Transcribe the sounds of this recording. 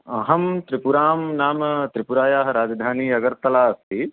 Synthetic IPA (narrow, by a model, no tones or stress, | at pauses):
ɐɦɐmt̪ɾipuɾaːmnaːmɐt̪ɾipuɾaːjaːɦɐ̆ɾaːd͡ʒɐd̪ʱaːniːɐɡɐɾt̪ːɐlaːɐst̪ʰi